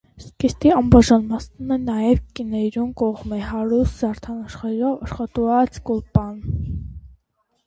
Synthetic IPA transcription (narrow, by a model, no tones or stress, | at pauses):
skist̪iɑmbɑʒɑnmɑsnunɛnɑjɛvkinɛjɾumkɔʁmɛhɑɾuszɑɾt̪ʰɑnɑʃχɛɾɔvɑʃχɑt̪uɑt͡skɔlpɑn